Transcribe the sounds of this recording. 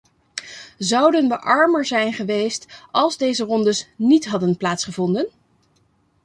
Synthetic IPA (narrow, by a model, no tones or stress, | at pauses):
zʌwdənʋəʔɑɹməɹzɛjnχəʋejstɑlˠzdejzərɔndəsnitɦɑdənplaːtsχəvɔndən